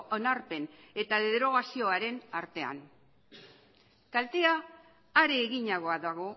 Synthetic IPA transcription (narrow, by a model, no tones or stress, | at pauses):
onaɾpe̞ne̞t̪aðe̞ðɾo̞ɣ̞asio̞aɾe̞naɾt̪e̞a̰ŋ | kalt̪eaː | ɾeːɣiɲaɣo̞aðaɣo̞